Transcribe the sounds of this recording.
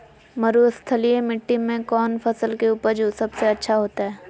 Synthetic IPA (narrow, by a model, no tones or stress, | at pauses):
mɐɾuːst̪ʰəliemɪʈːimẽkɔːnfʰɐsəlkeuːpəɾd͡ʒosɐbseɐtːʃʰaɦoːt̪aɦɛː